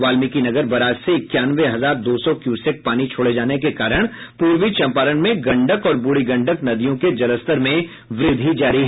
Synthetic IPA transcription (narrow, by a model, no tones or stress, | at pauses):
ʋaːlmikinɐɡəɾbɐɾaːd͡ʒseɪkjaːnʋeɦɐzaːɾd̪oːsɔkjuːsɪk̚paːnit͡ʃʰoːɽed͡ʒaːnekekaːɾəɽ̃puːɾwit͡ʃɐ̃mpaːɾəɽmẽɡɐ̃ɳɖəkɔːɾbuɽiɡɐ̃ɳɖəknɐd̪ijõked͡ʒɐləst̪əɾmẽ | ʋɾɪd̪ʱid͡ʒaːɾiɦ